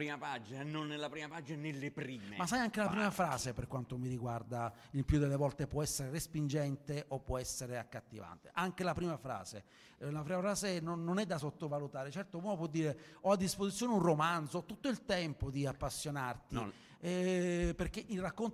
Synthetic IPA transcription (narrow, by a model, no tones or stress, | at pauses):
ɾimapad͡ʒinanonːelːapɾiːmapad͡ʒinanelːepɾiːmemasːajaŋk̟elapɾiːmafɾaːzeperkːwant̪omiɾiɡward̪a | ilpjud̪elːevɔlt̪epwɔɛsːeɾerespind͡ʒɛnt̪eʔopːwɔɛsːeɾeakːat̪ːiva̰nt̪e̥ʔaŋk̟elapɾiːmafɾa̰ːzḛ | lafɾiːmafɾaːzenonːonɛd̪ːasot̪ːovalut̪aːɾet͡ʃɛrt̪opumopwɔd̪ːiːɾeɔad̪ːispozit̪sːjoːneunromand̪zoɔt̪ːut̪ːoilt̪ɛmpod̪iapːasːjonart̪i | ɛperk̟eʔilrakːon